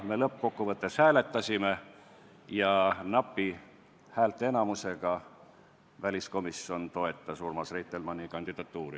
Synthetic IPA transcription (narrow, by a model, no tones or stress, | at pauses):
me̞ːlɤpːˑko̞kːuvɤt̪ːˑe̞shæːle̞t̪ːˑɑsʲime̞ | jɑnɑpːi | hæːlt̪ːˑee̞nɑmuse̞ɡ̥ɑ | vælʲisko̞misːo̞nt̪o̞e̞t̪ˑːɑsurmɑsrejt̪ːˑelmɑnʲːikɑnʲd̪̥id̪̥ɑt̪ːˑuːɾḭ